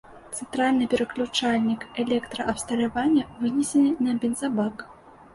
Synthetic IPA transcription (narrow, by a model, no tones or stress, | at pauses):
t̪sɛnt̪ɾalʲnɨpʲɛɾɐklʲut͡ʂalʲnʲikɛlʲɛkt̪ɾɐʔɐpst̪ɐlʲavanʲːɐvɨnʲɛsʲɛnɨnɐbʲɛnzabak